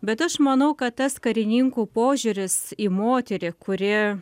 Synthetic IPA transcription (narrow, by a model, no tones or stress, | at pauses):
bʲɛt̪ɐʃmɐnɐʊkɐt̪t̪ɐskɐɾʲɪnʲiŋkuːpoːʒʲuɾʲɪsiːmoːt̪ʲɛɾʲɪkʊɾʲɪ